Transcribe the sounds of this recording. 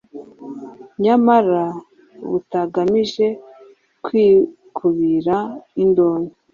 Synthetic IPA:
ɲamaɾa | βutaɡamiʒe̞ | kwiː | kʰuβiɾaindoːne

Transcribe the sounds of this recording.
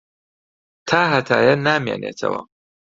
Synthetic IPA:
t̪ʰaːɦɐt̪ʰaːjɐnaːmjeːnʔeːt̪ʰɐ̰wɐ̰

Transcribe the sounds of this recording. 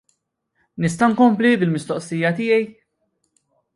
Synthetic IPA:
nɪs̬t̪ɐŋkɔmplibɪlmɪst̪ɔʔsijɐt̪ɪːjɛj

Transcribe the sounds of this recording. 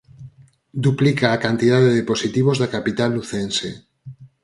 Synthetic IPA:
d̪uplikaːkant̪ið̞aðeðeposit̪iβ̞ozðakapit̪alːuθense

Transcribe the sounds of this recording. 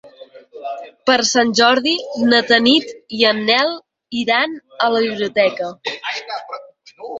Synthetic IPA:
pəɾsanʲʒɔɾðinət̪ənit̪iənːɛlˠ | iɾanələβiβliut̪ɛkə

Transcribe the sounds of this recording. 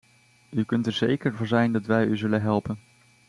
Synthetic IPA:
ykɵntɛɹzḛjkəɹvɔnzɛjndɑtʋɛjyzɵlənɦɛlˠpən

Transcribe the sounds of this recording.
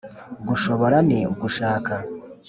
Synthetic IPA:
ɡuʃo̞βo̞ɾaneuɡuʃaːka

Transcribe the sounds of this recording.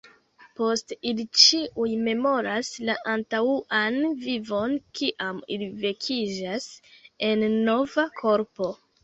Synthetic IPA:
po̞stilit͡ʃiʔujme̞mo̞ɾaslaʔantauʔanvivo̞nkʰiʔamḭlive̞kʰid͡ʒase̞nːo̞vakʰo̞ɾpo̞

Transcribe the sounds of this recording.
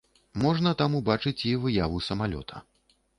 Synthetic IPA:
mɔʐnɐt̪amubat͡ʂɨt͡sʲivɨjavusɐmalʲɔ̰t̪ʰɐ̥̰

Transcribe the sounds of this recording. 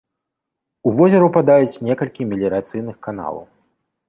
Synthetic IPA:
uvɔzʲɐɾupad̪ajut͡sʲnʲɛkɐlʲkʲimʲilʲɛɾat̪sɨjnɨxkan̪a̰lˠɐ̰w

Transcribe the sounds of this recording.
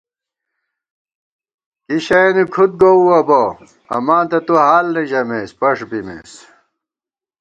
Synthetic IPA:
kiɕɐnikʰut̪̚ɡouɐbo | ɐ̰maːnt̪ɐt̪uɦaːlneʑɐmeːspɐʂbimḛːs

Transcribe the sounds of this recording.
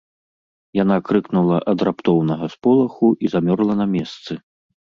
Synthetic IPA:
janakɾɨknulˠɐʔɐd̪rapt̪ɔwnɐɣɐspɔlˠɐxuʔizamʲɔrlˠɐnɐmʲɛst̪sɨ

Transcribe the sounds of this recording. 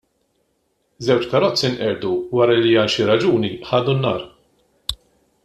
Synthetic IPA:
zɛwt͡ʃkɐɾɔt͡sːinʔɛɾd̪uwɐːɾɐliɐːnʃiɾɐd͡ʒuːniħɐːd̪unːɐ̰ːɾ

